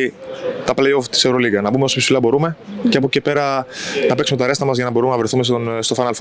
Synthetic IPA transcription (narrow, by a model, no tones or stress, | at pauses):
t̪ɐplejoft̪i̥seɾo̞liɡɐnɐpumeo̞spsi̥sfilɐbo̞ɾume̞ceɐpocepe̞ɾɐnɐpe̞ksume̞t̪ɐɾe̞st̪ɐmɐzʝɐnɐbo̞ɾumnɐvɾe̞θume̞sst̪o̞fɐnɐlfo